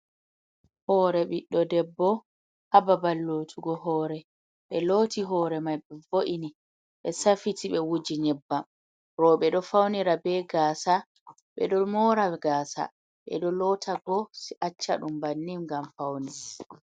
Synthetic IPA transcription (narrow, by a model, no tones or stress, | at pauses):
hɔːɾɛɓiɗːɔdɛbːɔ | hababalːotʰuɡɔɦɔːɾɛ | ɓɛloːtiɦɔːɾɛmajɓɛvoʔini | ɓɛsafitʰiɓɛwud͡ʒiɲɛbːam | ɾɔɓɛɗɔfawniɾabɛɡaːsa | ɓɛ̰ɗɔmɔːɾaɡaːsa̰ | ɓɛ̰ɗɔlɔtʰaɡɔsiʔat͡ʃːaɗumbanːimɡamfawni